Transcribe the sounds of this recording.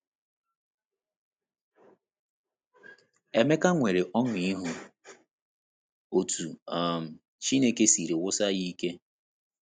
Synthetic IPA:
e˦me˦ka˦ŋʷe˨ɾe˨ʔɔ˦ŋʷ˨i˦ɦu˨ | o˨tu˨a˦˨m̩˨ | t͡ʃi˦ne˦ke˦si˨ɾe˨wʊ˦sa˦ɣi˦ke˦

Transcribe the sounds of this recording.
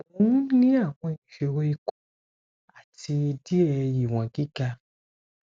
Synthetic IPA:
ũ˨˦nĩ˦a˦˨w̃ɔ̃˧ĩ˨ʃe˨ɾo˧i˧ko˦ | a˦˨ti˧e˧di˦ɛ˧ji˨w̃ã˨ɡi˦ɡa˧

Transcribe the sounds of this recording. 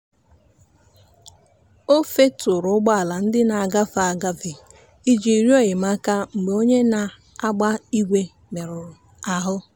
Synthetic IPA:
o˦fe˦tʊ˨ɾʊ˨˦ɡ͡ba˦a˨la˨n̩˦dɪ˦na˨a˨ɡa˦fa˨a˨ɡa˦vi˨ | i˦d͡ʒi˨i˨ɾjo˦˨ɪ˨m˦a˦ka˦ŋ͡m̩˨ɡ͡be˨o˦ɲe˦na˨ | a˦ɡ͡ba˦i˦ɡʷe˦ | me˨ɾʊ˨ | a˨ɦʊ˦

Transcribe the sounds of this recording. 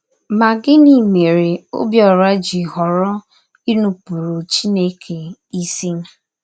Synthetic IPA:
ma˨ɡɪ˦ni˨me˨ɾe˨o̰˦bjɔ˨ɾa˦d͡ʒi˨ɦɔ˨ɾɔ˦ | i˦nu˨pu˨ɾo˨t͡ʃi˦ne˦kʰe˨i˦si˦na˨

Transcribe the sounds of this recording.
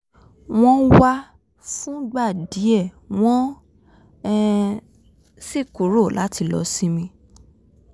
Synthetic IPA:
w̃ɔ̃˦wa˦ | fũ˦ɡ͡ba˦˨di˨˦ɛ˦˨ | w̃ɔ̃˦ | si˦˨ko˨˦ɾo˦˨la˨˦ti˧lɔ̰˧sĩ˦mĩ˧

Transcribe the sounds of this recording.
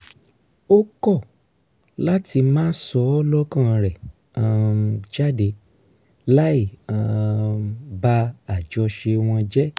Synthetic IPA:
o˦kɔ˦˨ | la˦ti˧mãː˦sɔ˨˧˦ɔ˦lɔ˦kã˦˨˧ɾɛ˨ | ã˧d͡ʒa˦de˧ | la˦ĩ˦˨˧ | ba˧˦a˨d͡ʒɔ˧ʃe˧w̃ɔ̃˧d͡ʒɛ˦

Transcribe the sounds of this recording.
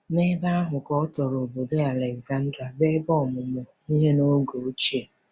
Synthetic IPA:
ne˦da˦a˦ɦʊ˨kɔ˦tɔ˨ɾo˨bo˨do˦a˨le˨kza˦n̩˦dɾa˨be˦bɔ˦˨mʊ˨mʊ˨ | i˦ɦe˦no˦ɡo˨˦t͡ʃe˨

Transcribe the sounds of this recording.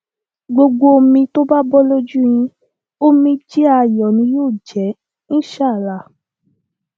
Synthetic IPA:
ɡ͡bo˧ɡ͡bo˦o˧mĩ˧to˦ba˦bɔ˦lo˦d͡ʒu˦j̃ĩ˧ | o˦mĩ˧d͡ʒi˦a˧jɔ˨nĩ˧˦joː˦˨d͡ʒɛ˨˦ | ñ̩˦ʃa˦˨la˨

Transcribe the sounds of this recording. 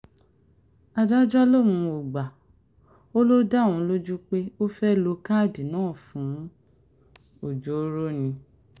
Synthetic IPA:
a˨da˦d͡ʒɔ˦lo˦˨mũ˧o˨ɡ͡ba˨ | o˦lo˦da˦˨ũ˧˦lo˦d͡ʒu˦k͡pe˦o˦fɛ˦lo˧ka˦˨di˨nãː˦˨fũ˨˦ | o˨d͡ʒo˨˦ɾo˦˨nĩ˧

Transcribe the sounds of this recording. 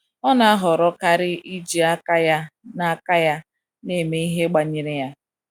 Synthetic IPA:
ɔ˦na˨a˦ɦɔ˨ɾɔ˦ka˦ɾɪ˦i˦d͡ʒi˨a˦ka˦ja˦na˦ka˦ja˦ | ne˦˨me˦i˦ɦe˦ɡ͡ba˨ɲɪ˨ɾɪ˨ja˦

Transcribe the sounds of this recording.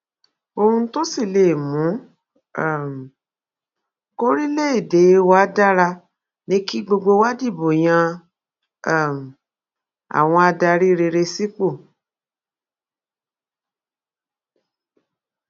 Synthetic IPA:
o˧ɾ̃ũ˧˦to˦si˦˨le˨mũ˨˦˨ | m˨ | ko˦ɾi˦le˦i˦˨de˨˦wa˦da˦ɾa˧ | nĩ˨˦ki˦ɡ͡bo˧ɡ͡bo˧wa˦di˦˨bo˨j̃ã˧˦˨ | m̩˨ | a̰˨w̃ɔ̃˧a˧da˧ɾi˦˧ɾe˧ɾe˧si˦k͡po˦˨

